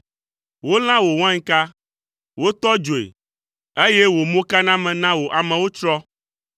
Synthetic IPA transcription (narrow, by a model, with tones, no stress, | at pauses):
wo˦l̃ã˦wo˨w̃ã˦ɲ˦ka˦ | wo˦t̪ɔ˦d͡ʒo˨ḛ˨ | e˦je˦wo˨mõ˦ka˦nã˦mɛ̃˨nã˦wo˨ʔa˨mɛ̃˨wo˦t͡ʃɾɔ˦